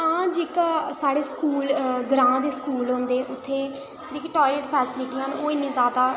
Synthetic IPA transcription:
ãːd͡ʒeːkaːsaːɽeːskuːlɡɾãːd̪eːskuːlɦõːnd̪eːʔʊt̪ʰːeː | d͡ʒeːkiːʈɔːɪleːʈpʰɛːsɪlɪʈiːɦənoːɪnːĩːzaːd̪aː

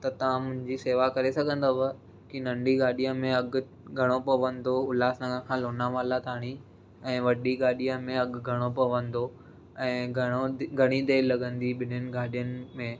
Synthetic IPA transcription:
t̪ɐt̪ɐʋãmʊ̃ɦɪ̃ɲd͡ʑiseːʋakɐɾesɐɡʱə̃nd̪oʋə | kinɐ̃ɳɖiɡaːɗijəmẽɐɡ | ɡʱɐɽ̃opɐʋə̃nd̪oʊlaːsnɐ̃ɡə̃kʰãːloːnamaːlat̪aːɽ̃i | ɛ̃ːʋɐɗiɡaːɗijə̃mẽɐɡɡʱɐɽ̃opɐʋə̃nd̪o | ɛ̃ː | ɡʱɐɽ̃id̪eːlɐɡə̃nd̪iɓɪnənɪ̆ɡaːɗijənɪ̆mẽː

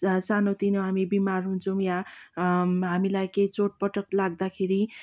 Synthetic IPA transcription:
sanot̪inoɦamibimarɦunt͡sʰʌw̃ja | ɦamilajkejt͡soʈ̚pʌʈʌklaɡd̪akʰeɾi

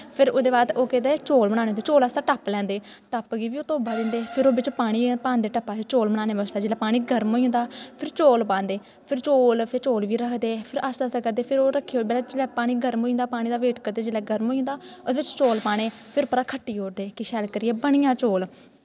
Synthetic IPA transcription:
pʰɪɾod̪eːbaːd̪oːkɛ̃ːd̪eːt͡ʃoːlbəɽ̃ãːnẽoːnd̪eːt͡ʃoːlast̪aːʈəplɛ̃ːnd̪eː | ʈəpɡiːʋiːoːt̪oːbaːd̪ɪ̃ːnd̪eːpʰɪɾoːbɪt͡ʃpaːɽ̃iːpaːnd̪eːʈəpːaːt̪et͡ʃoːlbəɽ̃aːneːbəsd̪aːd͡ʒeːlaːpaːɽ̃iːɡʱəɾmɦoːĩːnd̪aːpʰɪɾt͡ʃoːlpãːnd̪eː | pʰɪɾt͡ʃoːlpʰɪɾt͡ʃoːlʋiːɾəkʰd̪eːpʰɪɾəsd̪aːsaːkəɾd̪eːpʰɪɾoːɾəkʰːeːoːblaːd͡ʒelɛːpaːɽ̃iːɡəɾmoːĩːnd̪aːpaːɽ̃iːd̪aːʋeːʈkəɾd̪eːd͡ʒeːlɛːɡəɾmoːĩːnd̪aːʊdʋɪt͡ʃt͡ʃoːlpaːɽ̃eː | pʰɪɾpəɾaːkʰəʈːiːɦoːɾd̪eːkɪʃɛːlkəɾɪɛːbəɽ̃ɪjãːt͡ʃoːl

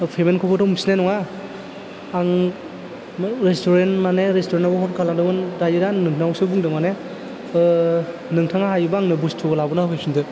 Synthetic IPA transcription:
pʰemenkʰɔbɔdʰɔmsnenɔŋa | aŋ | ɾestʰɔɾentmaneɾestʰɔɾenabɔɦɔt̚kʰalaŋdɯmɯnɾajɯɾanːɯŋtʰnawsɯbuŋdɯŋmane | nɯŋtʰaŋaɦajɯbaːŋnɯbustʰuɡɔlabɔnaɦɯjsundɯ

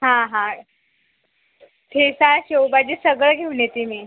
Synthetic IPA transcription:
ɦãɦã | t̪ʰesaɕewbad͡ʑisəɡɭəɡʱeunjet̪imiː

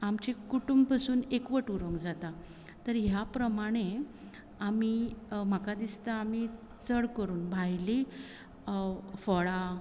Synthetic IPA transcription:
amt͡ɕekuʈumbpasuːnekʋəʈuɾəŋɡd͡zat̪a | t̪əɾɦjapɾəmaɽ̃e | amim̤akad̪ist̪aːmi | t͡səɽkəɾuːnbʱajli | fɔɭa

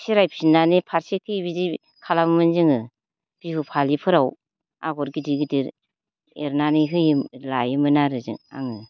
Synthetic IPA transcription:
siɾajpʰsinːanipʰaɾsekʰːɯjbidi | kʰalammɯnziŋɯ | b̥ihupʰalipʰɯɾaw | a̰ɡɔɾɡidiɡɯdiɾ | eɾnaniɦɯjilajɯmɯnaɾɯzɯ̰ŋa̰ŋɯ

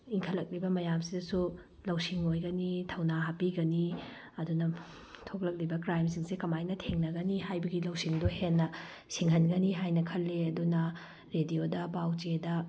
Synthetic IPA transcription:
iŋkʰɐlɐk̚libɐmɐjamsidɐsu | lɐwsiŋojɡɐnitʰɐwnaɦapiɡɐni | ɐdunɐ | tʰok̚lɐk̚libɐkɾajms̬iŋsekɐmajnɐtʰeŋnɐɡɐnihajbɐɡilɐwsiŋdohenːɐ | siŋɦɐnɡɐniɦajnɐkʰɐlːeɐdunɐ | ɾediodɐbawt͡ʃedɐ

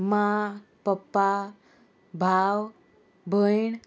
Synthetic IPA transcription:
mapəpːa | bʱaw | bʱəjɳ

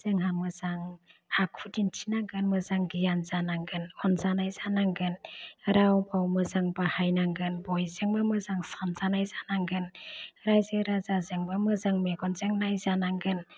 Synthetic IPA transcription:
z̥ɯŋɦamɯzaŋakʰudintʰinaŋɡɯnmɯzaŋɡijanzanaŋɡɯnɔnzanajzanaŋɡɯnɾawbawmɯzaŋbahajnaŋɡɯnbɔjzɯŋbamɯzaŋsanzanajzanaŋɡɯnɾajzeɾazazɯŋbamɯzaŋmeɡɔnzeŋnajzanaŋɡɯn

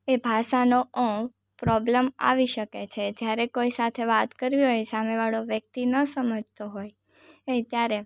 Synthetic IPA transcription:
ebʱaʃanoə̃ | pɾɔbləma̰ʋiʃəket͡ʃʰed͡ʒjaɾekojsat̪ʰeʋat̪kəɾʋiɦojsameʋaɭoʋjək̚t̪inəsəməd͡ʒʱt̪oɦoj | et̪jaɾe

